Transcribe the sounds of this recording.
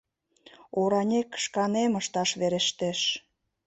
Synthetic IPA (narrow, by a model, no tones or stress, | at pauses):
oɾɑnʲekːə̥ʃkɑneməʃt̪ɑʃβeɾeʃt̪eʃ